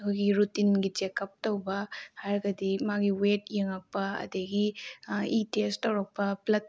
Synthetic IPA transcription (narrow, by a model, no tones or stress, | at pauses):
ɐkʰojɡiɾutinɡid͡ʒekɐp̚tɐwbɐhaɾɡɐdimaɡiwet̚jeŋɐk̚pɐɐ̰deɡi | itestːɐwɾɐk̚pɐplɐt̚